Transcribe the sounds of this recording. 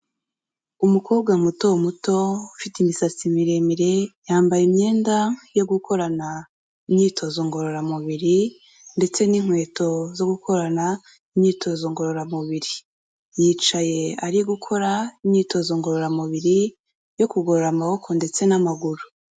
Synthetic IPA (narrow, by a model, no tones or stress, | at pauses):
umukʰo̞ːb̚ɡamuto̞mutoufitimisat͡simiɾemiɾe̞jaːmbajimɲe̞ːndajo̞ɡukʰo̞ɾana | imɲiːtʰo̞zoŋɡo̞ɾoɾamuβiɾi | nde̞t͡se̞niŋ̥hwe̞ːto̞zo̞ɡukʰo̞ɾana | imɲiːtʰo̞zoŋɡo̞ɾoɾamuβiɾi | jit͡ʃaje̞aɾiɡukʰo̞ɾaimɲiːto̞zoŋɡoɾoɾamuβiɾi | jo̞kuɡoɾoɾamaho̞kʰo̞nde̞t͡se̞namaɡuɾu̥